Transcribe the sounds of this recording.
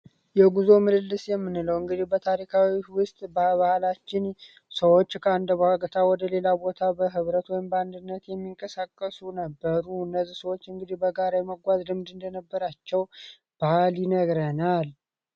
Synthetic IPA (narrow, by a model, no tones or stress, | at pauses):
jɛɡuzo̞mɨd̪ɨlːɨsjɛmːɨnːɨləwɨŋɡɨd̪ihbət̪ʰaɾikʰawiwʊst̪ʼbaβahlat͡ʃːɪn | səwo̞t͡ʃːkʰəand̪əbhaɡət̪ʰawɔd̪əle̞labo̞t̪ʰabəɦɨβɾət̪wɔjmbəand̪ɨnːət̪jɛmːiŋkʼəsakʼːəsunəbːəɾuɨnːəzːisəwo̞t͡ʃːɨŋɡɨd̪ihbəɡaɾajɛməɡʷazlɨmd̪ɨnd̪ənəbːəɾat͡ʃːɛw | b̥ahljɪnəɡɾənal